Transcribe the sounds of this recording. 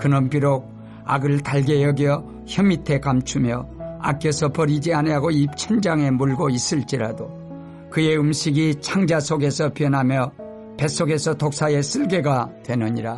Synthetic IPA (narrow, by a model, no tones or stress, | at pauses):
kɯnʌnpiɾok̚ | a̰ɡɯɭtaɭɡe̞jʌɡjʌ | çjʌmitʰe̞kamt͡ɕʰumjʌa̰k͈jesʰʌpʌɾid͡ʑianeaɡoip̚t͡ɕʰʌnd͡ʑaŋe̞muɭɡois͈ɯɭt͡ɕ͈iɾado | kɯe̞umɕʰiɡit͡ɕʰaŋd͡ʑasʰoɡe̞sʰʌpiʌnɦamjʌ | pe̞s͈oɡe̞sʰʌtok̚s͈ʰae̞s͈ɯɭɡe̞ɡatwe̞nɯɲiɾa